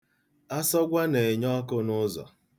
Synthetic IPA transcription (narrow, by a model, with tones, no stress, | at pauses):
a˦sɔ˦ɡʷa˦ne˨ɲɔ˦kʊ˦nʊ˦zɔ̰˨